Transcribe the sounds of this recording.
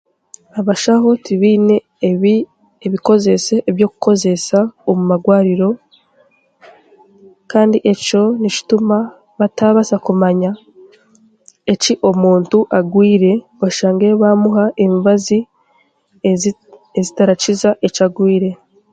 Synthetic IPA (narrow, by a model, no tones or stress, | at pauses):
aβaʃaɦo̞tiβiːne̞ | i | eβiko̞ze̞se̞ʔːβjo̞ku̥ko̞ze̞saomumaɡwaːɾiɾo̞ | kaːndiʔe̞co̞nici̥tuma | βataβasakumaɲa | e̞ciʔo̞muːntuʔaɡwiːɾe̞ | βaʃaːŋɡeβamuɦaʔemivazi | ezitaɾat͡ʃizaʔe̞t͡ʃaɡwiːɾe̞